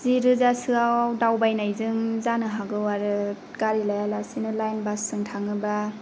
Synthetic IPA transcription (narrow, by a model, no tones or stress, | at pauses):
ziɾɯzasɯawawdawbajnajzɯŋzanɯɦaɡɯwaɾɯ | kaɾilajalasinɯlajnbasːɯŋtʰaŋɯba